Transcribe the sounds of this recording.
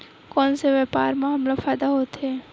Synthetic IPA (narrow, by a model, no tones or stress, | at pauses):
kɔnseʋɛpaɾmãɦəmlofajd̪aɦot̪ʰe